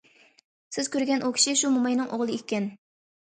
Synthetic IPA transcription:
sɪz̥kʲøɾɡʲɛnʔukʲʰi̥ʃiʃumumɑjnɨŋʔoʁlˠɨekʲːɛn

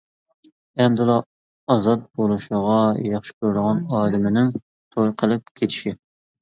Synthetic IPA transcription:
ɛmd̪ɨlˠɑː | zɑt̪̚bolˠuʃəʁɑjɑχʃɪ̥kʲʰøɾd̪əʁɑnɑːd̪ɪmɪnɪŋ | t̪ʰojqʰəlˠɨp̚kʲʰet̪ʰɪ̥ʃi

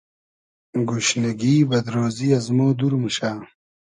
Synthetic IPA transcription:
ɡuɕnɐɡiːbɐd̪ɾoːziɐzmoːd̪uɾmuɕaː

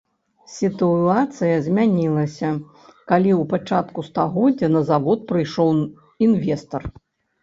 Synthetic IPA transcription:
sʲit̪uat̪sɨjɐzʲmʲanʲilˠɐsʲɐ | kalʲiwpat͡ʂat̪kust̪aɣɔdd͡zʲːɐnɐzavɔt̪̚pɾɨjʂɔw | invʲɛst̪ɐr

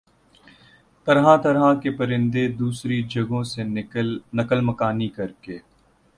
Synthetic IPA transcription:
t̪ɐɾɦãt̪ɐɾɦakepɐɾɪ̃nd̪ed̪uːsɾid͡ʒɐɡõsenɐkəlmɐkaːnikɐɾkeː

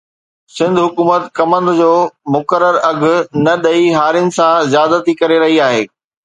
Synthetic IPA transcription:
sɪ̃nd̪ʱɦʊkuːmət̪kɐmə̃nd̪ʊ̆d͡ʑoːmʊkəɾəɾɐɡʱʊ̆nɐɗɐiɦaːɾjʊnɪ̆sãzjaːd̪ət̪ʰikɐɾeɾɐɦiaːɦeː

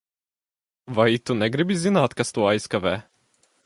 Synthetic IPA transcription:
vait̪unɛɡɾibizinat̪kast̪uajskavɛ

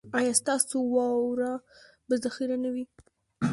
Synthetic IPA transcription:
ɑjɑst̪ɑsowɑwɾɑ | bazaxiɾanawi

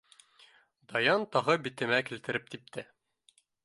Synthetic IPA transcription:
d̪ɑjɑnt̪ɒʁɤbit̪ɘ̆mækilt̪ɘ̆ɾɘp̚t̪ip̚t̪ʰɘ

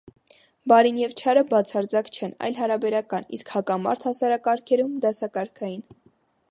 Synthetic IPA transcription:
bɑɾinjɛvt͡ʃʰɑɾəbɑt͡sʰɑɾd͡zɑkt͡ʃʰɛnɑ̰jlɦɑɾɑbɛɾɑkɑnḭskhɑkɑmɑ̰ɾt̪ʰhɑsɑɾɑkɑɾkʰɛɾumd̪ɑsɑkɑɾkʰɑjin

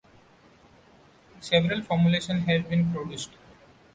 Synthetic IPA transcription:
seʋəɾəlfɔːɾmuleːʃə̃nɦɛʋbĩnpɾoɖjuːsʈ

